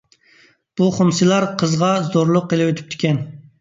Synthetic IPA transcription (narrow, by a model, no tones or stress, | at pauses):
b̥uχomsɨlˠɑɾqʰəzʁɑzoɾlˠʊqːelˠɪwøt̪ʰy̥p̚t̪ʰɪ̥kʲɛn